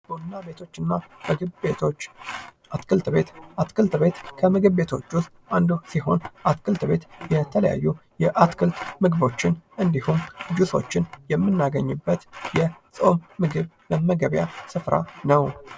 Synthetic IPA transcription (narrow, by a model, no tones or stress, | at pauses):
b̥onːabe̞t̪ʰo̞t͡ʃːɨnːamɨɨeot͡ʃːʔat̪kʰɨlt̪be̞t̪ʔat̪kʰɨlt̪be̞t̪kʰəmɨɡɨβbe̞t̪ʰo̞̰t͡ʃːust̪ʔand̪usiɦo̞nʔat̪kʰɨlt̪be̞t̪jɛt̪ʰələja̰jːujɛʔat̪kʰɨlt̪mɨɡɨβo̞t͡ʃːɪnʔɨnd̪ihumd͡ʒuso̞̰t͡ʃːɪnjɛmːɨnːaɡəɲːɨbːət̪jɛsʼo̞mːɨɡɨβ | ləməɡəβja̰sɨfɾa̰nəw